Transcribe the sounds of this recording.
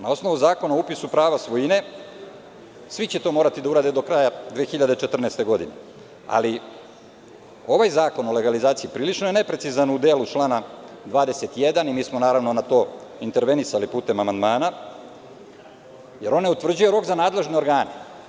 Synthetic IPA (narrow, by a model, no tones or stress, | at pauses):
nao̞sno̞ʋuzaːko̞naoupisupɾaːʋasʋojine̞ | sʋit͡ɕet̪o̞ːmoɾat̪id̪auɾaːd̪ed̪o̞kɾajad̪ʋeːxiʎad̪et͡ʃet̪r̩neːst̪e̞ɡo̞d̪inḛ | a̰li | o̞ʋajzaːko̞no̞le̞ɡalizaːt̪siipɾiːlit͡ʃnojene̞pɾesizanud̪eːlut͡ʃlˠaːna | d̪ʋaːd̪e̞se̞t̪jed̪animiːsmo̞naːɾaʋno̞nat̪o̞ːint̪e̞ɾʋe̞nisalipuːt̪e̞mamand̪maːna | je̞ɾo̞neut̪vr̩d͡ʑuje̞ɾo̞kzanaːd̪lˠe̞ʒnio̞ɾɡaːne